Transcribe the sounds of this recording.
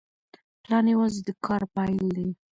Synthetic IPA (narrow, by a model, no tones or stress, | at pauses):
plɑnewazd̪əkʰɑɾpajld̪e